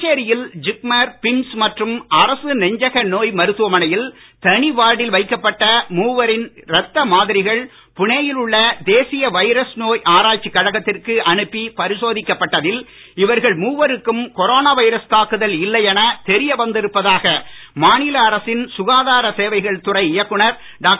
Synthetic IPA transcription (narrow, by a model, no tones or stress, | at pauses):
t͡ʃeːɾɪjɪld͡ʒɪk̚mɐɾpɪmsmɐʈrɯmɐɾɐsɯnɛɲd͡ʒɐɣɐnoːjmɐɾɯt̪ːɯʋɐmɐnɐjɪl | t̪ɐɳiʋaːɽɪlʋɐɪkːɐpːɐʈːɐmuːʋɐɾɪnɾɛt̪ːɐmaːðɪɾɪɣɐɭ | pʊɳejɪlɯɭːɐd̪eːsɪjɐʋɐɪɾɐsnoːjʔaːɾaːt͡ʃːikːɐɻɐɣɐt̪ːɪrkɯʔɐɳɯpːipɐɾɪsoːðɪkːɐpːɐʈːɐðɪl | ɪʋɐɾɣɐɭmuːʋɐɾɯkːɯmkɔɾoːnaːʋɐɪɾɐst̪aːkɯðɐlɪlːɐjɛnɐt̪ɛɾɪjɐʋɐnd̪ɪɾɯpːɐðaːɣɐmaːnɪlɐːɾɐsɪnsʊɣaːðaːɾɐseːʋɐɪɣɐɭt̪ʊrɐɪɪjɐkːɯɳɐɾ | ɖaːk